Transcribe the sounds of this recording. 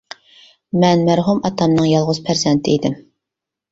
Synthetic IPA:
mɛnmæɾɦumɑt̪ʰɑmnɨŋjɑlˠʁʊz̥pʰæɾzɛnt̪ʰɪid̪ɪm

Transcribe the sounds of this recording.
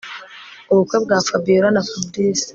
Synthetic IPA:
uβukwebɡaːfabiːɾanafabdiːs

